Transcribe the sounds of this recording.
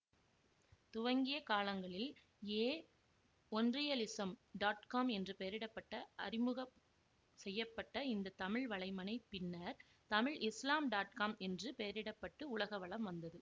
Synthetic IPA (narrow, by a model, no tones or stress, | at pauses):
t̪ʊʋɐŋɡɪjɐkaːlɐŋɡɐɭɪl | eː | ɔndrɪjɐlɪsɐmɖaːʈkaːmɛndrɯpejɐɾɪɽɐpːɐʈːɐʔɐɾɪmɯɣɐ | sɛjːɐpːɐʈːɐɪnd̪ɐt̪ɐmɪɻʋɐɭɐɪmɐnɐɪpːɪnːɐɾ | t̪ɐmɪɻʔɪslaːmɖaːʈ̚kaːmɛndrɯpejɐɾɪɽɐpːɐʈːɯʊɭɐɣɐʋɐɭɐmʋɐnd̪ɐðɯ